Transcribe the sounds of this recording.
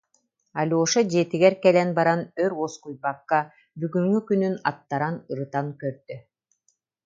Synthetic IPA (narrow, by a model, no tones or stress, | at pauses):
alʲoːʃad͡ʑeːt̪iɡɛɾkɛlɛnbaɾanœɾɔskujbakːa | byɡyŋːykynynat̪ːaɾanɯɾɯt̪aŋkœɾd̪̥y